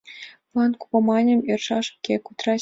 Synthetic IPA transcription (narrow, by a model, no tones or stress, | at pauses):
plˠɑnku̥pɑmɑnʲɘ̆mirʂɑʂkʲekut̪rɑ